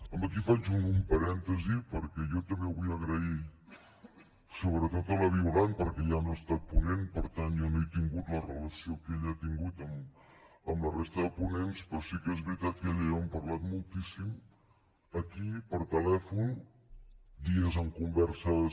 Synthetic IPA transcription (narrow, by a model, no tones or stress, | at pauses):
əmbəkifat͡ʃunumpəɾɛnt̪əzipəɾkɛjɔt̪əmbeβujəɣɾəi | soβɾət̪ot̪ələβ̞iulanpəɾkɛjanoəst̪at̪̚punenpəɾt̪anjɔnoejt̪iŋɡut̪lərələsiokeʎat̪iŋɡut̪əm | əmlərest̪əðəpunenspɾɔsikɛzβɾit̪at̪̚kəʎiəmpəɾlat̪mulˠt̪isim | əkipəɾt̪əlɛfun | d̪iəzəmkumbɛɾsə